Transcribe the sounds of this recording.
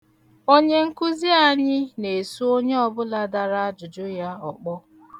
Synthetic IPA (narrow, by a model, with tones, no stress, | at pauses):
o˦ɲe˦ŋ̩˦ku˦zi˦a˦ɲɪ˦ne˨su˦o˦ɲe˦ɔ˦bʊ˦la˦da˨ɾa˦a˦d͡ʒʊ˨d͡ʒʊ˦ja˦ɔ˨k͡pɔ˦